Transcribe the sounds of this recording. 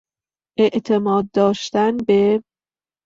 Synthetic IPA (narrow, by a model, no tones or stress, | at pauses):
ʔeʔt̪ʰemɒːd̪̚ːɒːʃt̪ænbe